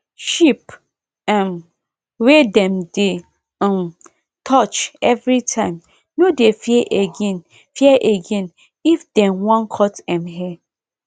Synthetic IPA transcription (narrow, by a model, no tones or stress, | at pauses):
ʃip | ɛ̃m | wedɛ̃mdẽ | m | tʰɔt͡ʃɛvɹitʰãɪ̃m | nodefjɛʔeɡẽn | fiɛʔeɡɛ̃n | ifdɛ̃nwãnkʰɔtɛ̃mɦɛ